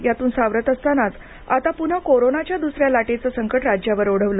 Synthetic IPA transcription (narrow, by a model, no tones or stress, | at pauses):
jat̪uːnsaʋɾət̪əst̪anat͡s | a̰t̪apun̤akoɾonat͡ɕjad̪usɾjalaʈet͡səsəŋkəʈɾad͡ʑjaʋəɾoɽ̤əʋlə